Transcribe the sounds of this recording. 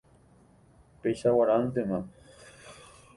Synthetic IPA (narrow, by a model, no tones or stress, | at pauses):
pesawaɾant̪ema